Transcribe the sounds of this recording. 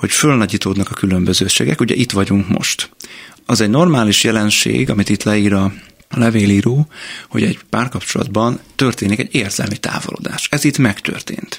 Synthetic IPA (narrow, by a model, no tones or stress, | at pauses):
ho̞cfølnɒɟiːt̪oːd̪nɒkɒkylø̞mbøzøːʃḛːɡɛkuɟɛ̰ʔit̪ʋɒɟuŋkmo̰ʃt̪ɒzɛɟno̞rmaːliʃjɛlɛnʃḛːɡɒmit̪it̪lɛiːɾɒ | lɛveːliːɾoːho̞̰ɟɛɟpaːrkɒpt͡ʃo̞lɒ̰d̪bɒnt̪ø̞rt̪eːnikɛ̰ɟeːrzɛ̰lmit̪a̰ːvolo̰d̪a̰ːʃɛzit̪mɛkt̪ø̰rt̪ḛːnt̪